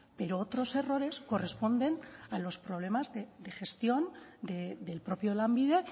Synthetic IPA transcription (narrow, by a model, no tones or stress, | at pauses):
pe̞ɾoot̪ɾo̞se̞ro̞ɾe̞sko̞re̞spo̞nd̪e̞nalo̞spɾo̞βle̞mazðed̪e̞xe̞st̪jo̞nd̪ed̪e̞lpɾo̞pjo̞lambiðe